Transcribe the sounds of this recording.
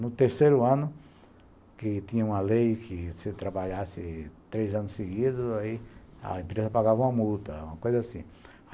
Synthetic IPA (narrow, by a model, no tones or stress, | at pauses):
nʊt̪eɾsejɾʊɐ̃nʊ | kɪt̪ĩɲɐũmɐlejkʰɪsɪt̪ɾabaʎasɪt̪ɾejzɐ̃nʊseɡid̪ʊzaia̰ẽpɾezɐpaɣavɐũmɐmult̪ɐũmɐkojzɐasĩ